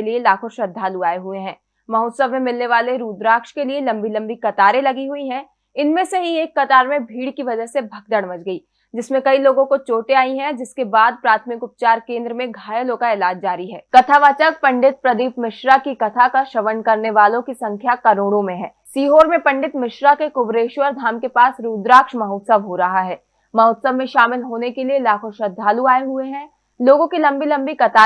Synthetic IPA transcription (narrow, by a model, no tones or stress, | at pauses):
lielaːkʰɔɾʃɐd̪ʱːaːluaːeɦueɦɛ̃ː | mɐɦoːt̪səʋmẽmɪlneʋaːleɾuːd̪ɾaːkʃkelielɐ̃mbʱilɐ̃mbʱikɐt̪aːɾẽlɐɡiɦuiɦɛ̃ | ɪnmẽseɦieːkːɐt̪aːɾmẽbʱiːɽkiʋɐd͡ʒəsebʱɐɡ̚d̪əɽmɐd͡ʒɡɐiː | d͡ʒɪsmẽkɐiloːɡõkot͡ʃoːʈeaːiɦɛ̃d͡ʒɪskebaːd̪̚pɾaːt̪ʰmɪkʊp̚t͡ʃaːɾkẽːnd̪ɾəmẽɡʱaːjəlõkaeːlaːd͡ʒd͡ʒaːɾiɦɛːkɐt̪ʰaʋat͡ʃək̚pɐ̃ɳɖɪt̪̚pɾɐd̪iːpmɪʃɾakikɐt̪ʰakaʃɐʋənkɐɾneʋaːlõkisɐ̃ŋkʰjakɐɾoːɽõmẽɦɛ̃ːsiːɦoːɾmẽpɐ̃ɳɖɪt̪mɪʃɾakekʊbɾeːʃʋəɾd̪ʱaːmkepaːsɾuːd̪ɾaːkʃmɐɦuːt̪səbɦoɾɐɦaɦɛː | mɐɦuːt̪səbmẽʃaːmɪlɦoːnekelielaːkʰoʃɐd̪ʱːaːluaːeɦueɦɛ̃ | loːɡõkilɐ̃mbilɐ̃mbikɐt̪ʰaː